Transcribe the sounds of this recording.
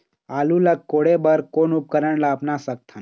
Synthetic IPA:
aːluləkkːoːɽebəɾkoːnʊp̚kəɾəɳlaːpnasək̚t̪ʰan

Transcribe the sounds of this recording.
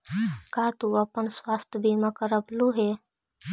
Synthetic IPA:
kat̪uəpənswaːst̪ʰəbʱimakəɾəbluɦe

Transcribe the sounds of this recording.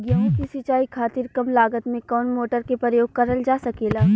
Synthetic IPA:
ɡjə̃ːkisɪt͡ʃaːikʰaːt̪iɾkɐmlaːɡət̪mẽkɔːnmoːʈəɾkepɾəjoːɡ̚kɐɾəld͡ʒaːsɐkeːlaː

